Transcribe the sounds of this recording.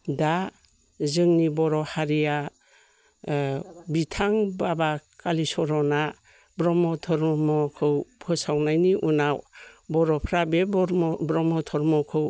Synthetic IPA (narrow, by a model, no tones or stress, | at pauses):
da | zɯŋnibɔɾɔhaɾija | bitʰaŋbabakalisɔɾɔna | bɾɔmɔtʰɔɾmɔkʰɯwpʰɯsawnajniʔunawbɔɾɔpʰɾabeɾbɾɔmɔtʰɔɾmɔkʰɯw